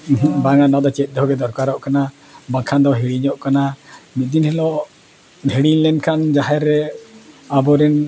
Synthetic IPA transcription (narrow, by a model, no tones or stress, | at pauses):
ɦbaŋanɔd̪ɔt͡ʃɛt̪̚ˀd̪ɦɔɡɛd̪ɔɾkaɾɔʔkana | bãkʰand̪ɔɦiɽiɲɔʔkanamit̪̚ˀd̪inhɛlɔʔ | ɛɽiɲlɛnkʰand͡ʒaɦɛɾːɛ | abɔɾɛn